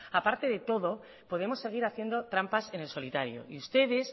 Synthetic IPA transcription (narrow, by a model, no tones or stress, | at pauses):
apaɾt̪e̞ðe̞t̪o̞ðo̞ | po̞ð̞e̞mo̞sːeɣ̞iɾaθje̞nd̪o̞t̪ɾampase̞ne̞lso̞lit̪aɾjo̰iust̪e̞ðe̞s